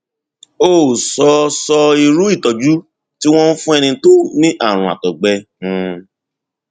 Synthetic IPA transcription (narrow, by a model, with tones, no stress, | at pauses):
oː˦˨sɔ˧sɔ˧i˧ɾu˦i˦˨tɔ˨d͡ʒu˦ | ti˦w̃ɔ̃˦n̩˦fũ˦ɛ˧nĩ˧to˦nĩ˦ʔa˦˨ɾ̃ũ˨a̰˨tɔ˨ɡ͡bɛ̃˧˨